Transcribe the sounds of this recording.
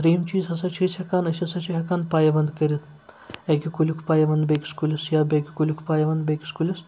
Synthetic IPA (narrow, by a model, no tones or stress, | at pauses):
t̪ɾeːmt͡ʃiːzɦɐsɐt͡ʃʰit͡ʃʰʲɐkaːnɐsʲɐsɐt͡ʃʰiɦɐkaːnpaːjɐʋɐnd̪kɐɾʲit̪̚ʰ | ekʲikulʲukʰpaːjɐʋɐnd̪beːkʲi̥skulʲisjaːbʲekʲikulʲukʰpaːjɐʋɐnd̪bʲeːki̥skulʲis